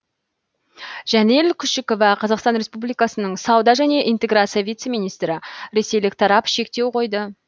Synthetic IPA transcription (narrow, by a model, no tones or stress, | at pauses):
ʒ̥ænelkʲʰʏʃɪko̞vɑqʰɑzɑqst̪ɑnɾespublijkɑsənəɴsɑwd̪ɑʒæne̞ʔijnt̪e̞ɡɾat̪sɨjavijt̪se̞mʲijnijst̪ɾɪɾe̞se̞jlɪk̚t̪ʰɑɾɑpʃe̞kt̪e̞wqʰo̞jd̪ə